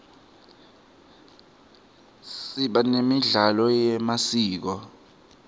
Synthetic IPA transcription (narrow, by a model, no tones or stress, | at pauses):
ssiɓanemiɮalɔjɛmasiːk̬ɔ